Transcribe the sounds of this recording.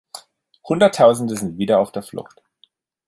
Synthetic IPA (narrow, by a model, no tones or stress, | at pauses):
hʊndɐtʰaʊzn̩dəzɪntv̥iːdɐaʊfd̥eːɐflʊ̰xt